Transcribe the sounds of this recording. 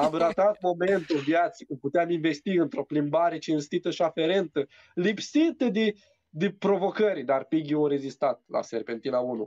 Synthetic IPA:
amrat̪at̪̚mo̞me̞nt̪ulvjat̪sikumput̪eaminve̞st̪iɨnt̪ɾo̞plimbaɾe̞t͡ʃinst̪it̪əʃiafe̞ɾe̞nt̪ə | lipsit̪əd̪e | d̪epɾo̞vo̞kəɾʲd̪arpiɡʲiawɾe̞zist̪at̪̚la̰serpe̞nt̪inaunṵ

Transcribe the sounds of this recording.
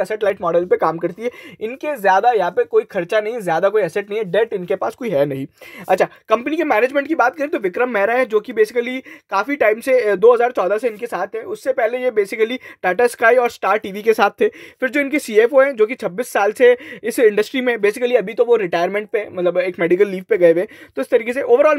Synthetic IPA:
ɐsɛʈlaːɪʈmɔːɖəlpekaːmkɐɾt̪iɦɛɪnkezjaːd̪ajɐɦãːpekoːixʰɐɾt͡ʃanɐɦĩzjaːd̪akoːiɐsɛʈ̚nɐɦĩɦɛɖɛːʈɪnkepaːskoːiɦɛnɐɦĩɐtːʃʰaːkɐ̃mpənikemɛːneːd͡ʒmɛ̃ɳʈkibaːt̪̚kɐɾĩt̪oʋɪkɾəmːɛːɾaɦɛ̃d͡ʒoːkibeːsɪkəlikaːfiʈaːɪmsed̪oːɦɐzaːɾt͡ʃɔːd̪aseɪnkesaːt̪ʰːɛʊsːepɛɦlejebeːsɪkəliʈɛːʈaskaːiɔːɾsʈaːɾʈiːʋikesaːt̪ʰːeːfɪɾd͡ʒoːɪnkesiːeːfoɦɛ̃d͡ʒoːkit͡ʃʰɐbːisːaːlseɪsɪ̃ɳɖəsʈɾimẽbeːsɪkəliɐbʱit̪oʋoɾɪʈaːɪəɾmɛ̃ːɳʈ̚pemɐt̪ləbeːkmɛːɖɪkəlːiːʋpeɡɐeʋẽːt̪oɪst̪ɐɾiːkes̬eʔoːʋəɾɔːl

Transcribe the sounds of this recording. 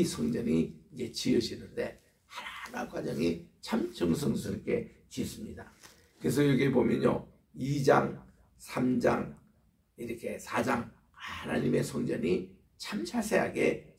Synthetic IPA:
sʰoŋd͡ʑʌɲiːd͡ʑe̞t͡ɕiɯɕinɯnde̞ | hanana̰kwad͡ʑʌŋit͡ɕʰamt͡ɕɯŋs̬ʰɯŋsʰɯɾk͈e̞ | t͡ɕis͈ɯmɲida | kɯɾe̞s̬ʰʌjʌɡebomjʌɲo̰ | id͡ʑa̰ŋ | sʰamd͡ʑa̰ŋ | iɾʌkʰe̞sʰad͡ʑaŋ | hana̰ɲime̞sʰoŋd͡ʑʌɲi | t͡ɕʰamt͡ɕʰasʰe̞ɦa̰ɡe̞

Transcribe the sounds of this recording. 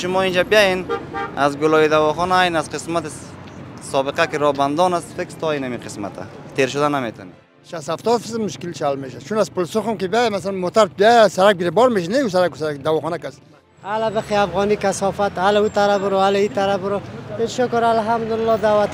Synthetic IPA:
ʃʊmɔind͡ʒabijajena̰zɡʊlɔid̪awɔχɔnaːjnazqɪsmat̪i | sɔbɪqakiɾɔband̪ɔnasfekst̪ʰɔinamiqʰɪsma̰t̪ʰa̰t̪ʰeɾʃʊd̪anamet̪ʰɔ̰ne | ʃashaft̪ɔd̪fizmmʊʃkilt͡ʃalmeʃat͡ʃʰunazpʊlsʊχʊmkibiajamasalanmot̪aɾbiajasaɾak̚biɾebɔɾmeʃ̬inekus̬aɾakuskd̪awɔχɔnakast̪na | alabɪxiafɣɔnikasɔfat̪alaut̪aɾabɾoalait̪aɾabɾoeʃʊkɾalɦamd̪ʊɪlːɔd̪awat̪

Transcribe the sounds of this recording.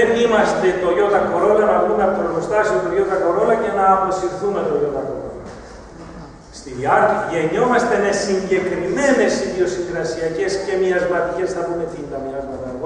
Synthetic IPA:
enimɐst̪e̞t̪o̞ʝo̞t̪ɐko̞ɾo̞lɐnɐvɾunɐp̪ɾolost̪ɐsiot̪oʝo̞t̪ɐko̞ɾo̞lɐce̞nɐːpo̞siɾθume̞t̪o̞ʝot̪ɐko̰ɾo̰lɐ | st̪iiɐt̪iʝe̞ɲo̞mɐst̪enesiɲɟe̞kɾimene̞siðio̞siŋɡɾɐsiɐce̞sce̞miɐzmɐt̪ice̞snɐpumet̪ind̪ɐmiɐzmɐt̪ɐðo

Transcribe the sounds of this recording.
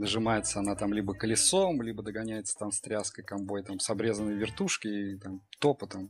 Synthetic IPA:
nəʐɨmajɪt̪səɐnat̪amlʲibəkəlʲɪsomlʲibəd̪əɡɐnʲæjɪt̪sə̥t̪amst̪ɾʲaskəjkɐmbojt̪amsɐbɾʲe̞zənːəjəvʲɪrt̪uʂkʲɪit̪amt̪opət̪am

